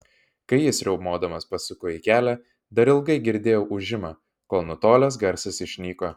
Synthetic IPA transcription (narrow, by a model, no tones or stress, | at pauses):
kɐɪjɪsʲɾʲɛʊmoːd̪ɐmɐspɐsʊkoːikʲæːlʲæ | d̪ɐɾɪlˠɡɐɪɡʲɪɾʲd̪ʲeːjɛʊʔʊʒʲɪmɑː | koːlˠnʊt̪oːlʲɛs̬ɡɐɾʲsʲɪsɪʃʲnʲiːkoː